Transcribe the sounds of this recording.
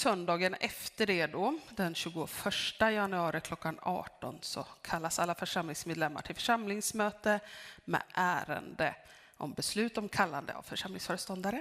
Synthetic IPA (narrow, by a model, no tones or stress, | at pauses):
sœnd̪ɑːɡənɛft̪əɖɛd̪ɔd̪ɛnɕʉ̟ːɡʊfœʂʈajanɵɑːɾɪkʰlɔkːanɑ̰ːʈɔ̰nsɔ̰kʰalːasalːafœʂamlɪŋsmeːd̪lɛmːa̰ʈʰɪlfœ̥ʂamlɪŋsmøːt̪əmɛ̰ʔæːɾə̰nd̪ə | ʔɔ̰mbɛslʉ̟ːt̪ɔmkʰalːa̰nd̪ə̰a̰vfœʂamlɪŋsfœːɾəst̪ɔnd̪aɾə